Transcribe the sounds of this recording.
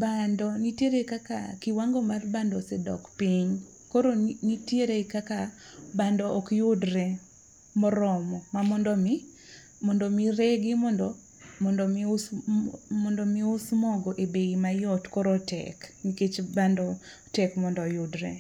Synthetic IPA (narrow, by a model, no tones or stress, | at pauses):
bandɔnitjeɾekaka̰kiwaŋɡomarbandɔsɛdɔ̰kpiɲ | koɾonitjeɾekakabandɔʔːkjʊdɾɛ | mɔɾɔmɔmamɔndɔmi | mɔndɔmireɡimɔndɔ | mɔndɔms | mɔndɔmiʊsmɔɡɔʔebeimajɔtkoɾotɛ̰kniket͡ʃbandɔ | tɛkmɔndɔjʊdɾɛ